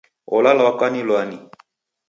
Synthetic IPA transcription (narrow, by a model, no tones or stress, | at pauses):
ɔ̰lalaakanilwani